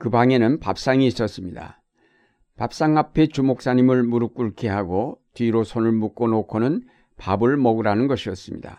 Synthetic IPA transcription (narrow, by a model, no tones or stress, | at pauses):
kɯbaŋe̞nɯnpa̰p̚s͈aŋiːs͈ʌs͈ɯmɲida̰ | pap̚s͈aŋapʰe̞t͡ɕumok̚s͈aɲimɯɭmuɾɯk͈uɭkʰeɦaɡotiɾosʰonɯɭmuk͈onokʰonɯn | pabɯɭmʌɡɯɾanɯnɡʌɕʰiʌs͈ɯmɲḭda̰